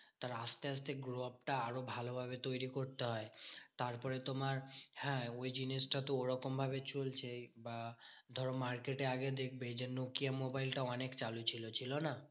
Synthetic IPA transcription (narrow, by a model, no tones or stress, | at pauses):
t̪aɾast̪eas̬t̪eɡɾop̚ʈaaɾobʱalobʱabet̪ojɾikoɾt̪eɦɔet̪aɾpɔɾet̪omaɾhɛ̃ojd͡ʒinesʈat̪ooɾɔkɔmbʱabet͡ʃult͡ʃʰebad̪ʱɔɾomaɾkeʈeaɡed̪ekʰbed͡ʑenokijamobajlʈaɔnekt͡ʃalut͡ʃʰilot͡ʃʰilona